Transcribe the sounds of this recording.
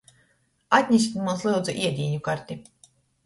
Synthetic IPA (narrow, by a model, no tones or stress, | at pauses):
at̪ʲɲʲisʲit̪muslˠɨwd̪zuʔiɛd̪ʲiːɲukaɾt̪ʲi